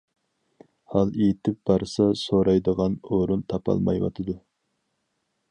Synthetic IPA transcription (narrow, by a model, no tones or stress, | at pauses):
hɑlˠet̪ʰɪp̚b̥ɑɾsɑsoɾɑjd̪əʁɑnoɾunt̪ʰɑpʰɑ̰lˠmɑ̰jwɑ̰t̪ʰɨd̪u